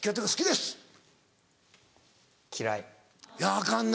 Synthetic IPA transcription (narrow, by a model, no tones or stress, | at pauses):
kʲːot̪̬ːoɡasɨ̥kʲid̪e̞sɨ̥ | kʲʰiɾa̰i | jaakãnː